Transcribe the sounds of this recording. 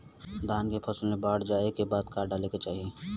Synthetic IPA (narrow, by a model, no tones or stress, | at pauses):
d̪ʱaːnkepʰɐsəlmẽbaːɽd͡ʒaːekebaːd̪kaːɾɖaːleket͡ʃaːɦieː